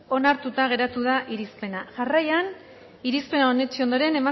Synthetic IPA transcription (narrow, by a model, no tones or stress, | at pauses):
o̞naɾt̪ut̪aɣ̞e̞ɾat̪uðaʔiɾispe̞naʝarajan | iɾispe̞naone̞t͡ʃio̞nd̪o̞ɾe̞ne̞ma